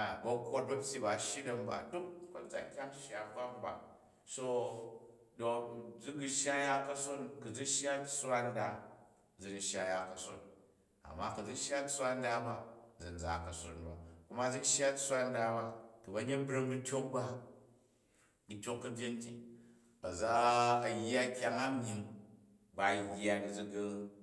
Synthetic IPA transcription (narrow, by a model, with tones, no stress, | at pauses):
a˨bɐ˧kːo˦t̚bɐ˦pʲji˦ba˨ʃji˦dɐ˧mba̰˨du˦k̚bɐ˨d͡za̰˨kʲa˦m˦ʃa˦˨kʷa˦m˦ba̰˨ | so˦ | do˨d͡zu˦ɡu˧ʃa˦ja˦kɐ˦so˦nku˨d͡zu˦ʃa˦sʷa˦n˦da˧ | d͡zu˨di˨ʃja˧ja˨kɐ˨so̰˨n | a̰˨mːa˦ku˨d͡zu˦ʃja˦sʷa˦n˦da˦ba˦d͡zi˨n˨d͡za̰˨kɐ˨so̰˨nba˨ku˦ma˦d͡zi˦ʃja˦tsʷa˦nda˧ba˧tu˨bɐ˦ɲe˦bɾi˦ŋbu˦tʲo˦k̚ba˦ | bi˧˦tʲo˦kːɐ˦bʲe˦n˦ti˦ | bɐ˨d͡zaː˦˨jːa˦kʲa˦ŋa˦mi˧ŋ | ba˨jːa˨ni˨d͡zi˦˧ɡi˧